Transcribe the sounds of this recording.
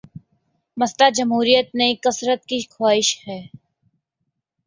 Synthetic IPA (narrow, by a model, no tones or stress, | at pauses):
mɐst̪ad͡ʒɐmɦuːɾijət̪̚neĩkɐsɾət̪̚kixʰwaːɪʃhɛː